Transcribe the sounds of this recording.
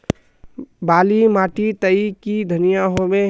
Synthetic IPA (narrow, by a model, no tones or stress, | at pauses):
baːlimaʈit̪əikid̪ʱənijaɦome